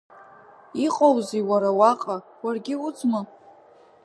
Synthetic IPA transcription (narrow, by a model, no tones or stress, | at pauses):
iqʼowziwaɾawaqʼawarɡʲɪud͡zmɨ